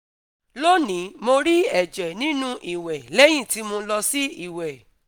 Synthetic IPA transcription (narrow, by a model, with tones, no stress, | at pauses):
lo˦nĩ˨˦mo˧ɾi˦ɛ˦˨d͡ʒɛ˨nĩ˨˦nũ˦ʔi˨wɛ˨lɛ˦j̃ĩ˦˨ti˦mo˧lɔ˧si˦i˦˨wɛ˨